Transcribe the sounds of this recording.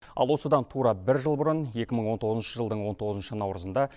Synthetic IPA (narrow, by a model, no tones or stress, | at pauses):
ɑ̰lˠwo̞səd̪ɑnt̪ʰuɾɑbɪɾʒəlˠbʊɾəne̞kʲɪməɴwo̞nt̪ʰo̞ʁəznʃəʒəlˠd̪əɴwo̞nt̪ʰo̞ʁəzənʃənɑwɾəzənd̪ɑ